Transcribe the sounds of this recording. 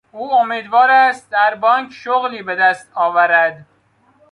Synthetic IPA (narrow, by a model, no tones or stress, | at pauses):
uːomiːd̪vɒːɾæst̪̚d̪æɾbɒːŋkʰʃoɣliːbed̪æst̪ɒːvæɾæd̪